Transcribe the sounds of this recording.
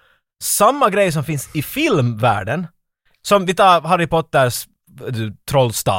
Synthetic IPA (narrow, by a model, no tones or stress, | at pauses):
samːaɡɾɛjːəs̬ɔmfɪnsɪfɪlmvæ̰ːɖən | sɔmvɪt̪ʰɑːɾɦaɾɪpɔt̪ːəɾʂ | d̪ʉt̪ʰɾɔlːst̪ɑ̰ː